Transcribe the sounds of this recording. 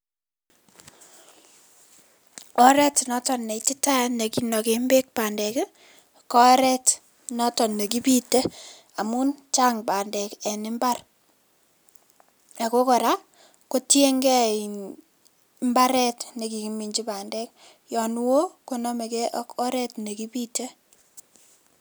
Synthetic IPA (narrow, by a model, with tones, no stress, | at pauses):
ɔ˦ɾɛ˦tnɔ˦tɔ˨nːe˨iti˦ta˦ne˨ki˦nɔ˨ke˨mbe˦k̚paː˨ndɛ˨ke˦ | kɔ˦ɾɛ˦t | nɔ˦tɔ˨nːe˨k̬i˦pi˦te˦ | a˨mu˦nt͡ʃa˦ŋba˨ndɛ˨kɛ˨nɪ˦mba˦r | a˨ko˦kɔ˨ɾa˦ | ko˦tje˦ŋɡɛ˦i˨ | mba˦ɾɛ˦tne˨ki˨ki˨mi˨ɲd͡ʒi˦paː˨ndɛ˦k̚ | jɔ˨n˦wo˦ko˦nɔ˦me˨ke˦ʔɔ˦kɔ˦ɾɛ˦tne˨ki˦pi˦te˦